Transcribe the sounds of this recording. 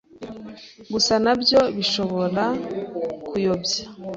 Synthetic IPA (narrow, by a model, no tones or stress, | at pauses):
ɡusanabjo̞βiʃo̞βo̞ɾa | kujobja